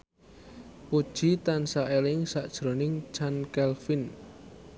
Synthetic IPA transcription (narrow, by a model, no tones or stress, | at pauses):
pud̥ʒ̥it̪ansaʔelɪŋsaʔd̥ʒ̥ɾonɪŋt͡ʃankɛlfɪn